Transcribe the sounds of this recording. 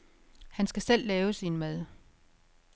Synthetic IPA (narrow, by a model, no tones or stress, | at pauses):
hænsɡ̥æsel̰lɛːʊəsinmæðˠ